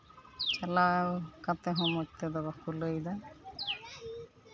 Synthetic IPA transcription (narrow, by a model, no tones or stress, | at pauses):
t͡ʃalawkat̪ɛɦɔ̃mɔt͡ʃ̚t̪ɛd̪ɔbakuləjd̪a